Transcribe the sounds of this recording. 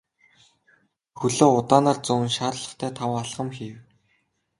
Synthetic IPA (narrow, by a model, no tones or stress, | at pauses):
xɵɮoːʊt̪aːnaːrt͡sʊwnʃaːrɮə̆χt̪ʰæːt̪ʰawaɮɢə̆mxiːw